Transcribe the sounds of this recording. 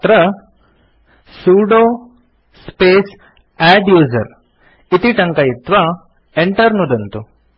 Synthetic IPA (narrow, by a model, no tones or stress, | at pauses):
t̪ɾɐ | suːɖo | speːs | æɖjuːzɐɾ | it̪iʈɐŋkɐjit̪ʋa | eɳʈɐɾnud̪ɐnt̪u